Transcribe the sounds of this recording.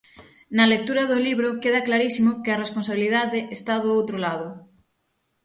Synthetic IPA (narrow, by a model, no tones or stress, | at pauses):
nalek̚t̪uɾaðoliβɾokeð̞aklaɾisimokearesponsaβilið̞aðeʔest̪aðoowt̪ɾolað̞o